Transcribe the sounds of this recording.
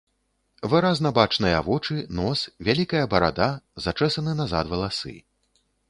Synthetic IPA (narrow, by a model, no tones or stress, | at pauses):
vɨɾaznɐbat͡ʂnɨjɐvɔt͡ʂɨnɔsvʲalʲikɐjɐbɐɾa̰d̪azat͡ʂɛsɐnɨnaza̰t̪vɐlˠasɨ̰